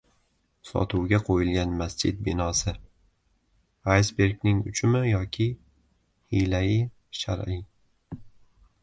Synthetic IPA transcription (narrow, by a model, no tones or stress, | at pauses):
sɒ̰t̪ʰʊwɡʲaqʰojɪlɡʲanmast͡ʃʰɪd̪̚bɪnɒsɪ | ajsbe̞ɾɡʲnɪŋʊt͡ʃʰʊmɪjɒkʲʰɪ | hijlajɪ | ʃa̰ɾɪj